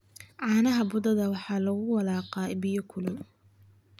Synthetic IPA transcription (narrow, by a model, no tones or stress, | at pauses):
ʕɑːnɐɦɐbʊd̪ɐðɐwɑħɑːlɐɣʊwɑlɑːqɑbɪjɔkʰʊlʊw